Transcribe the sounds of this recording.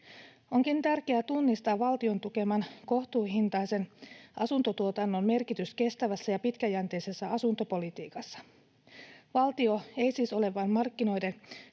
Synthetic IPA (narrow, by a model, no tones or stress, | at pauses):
o̞ŋkint̪ærkeæt̪unːist̪ɑːɑlt̪io̞nt̪uk̟e̞mɑnko̞ht̪uːɦint̪ɑjse̞nʔɑsunt̪o̞t̪uo̞t̪ɑnːo̞mme̞rkit̪yske̞st̪æʋæsːæjɑpit̪kæjænt̪e̞jse̞sːæɑsunt̪o̞po̞lit̪iːkɑsːɑ̥ | ʋɑlt̪io̞e̞jsiːso̞le̞ʋɑnmɑrkːino̞jden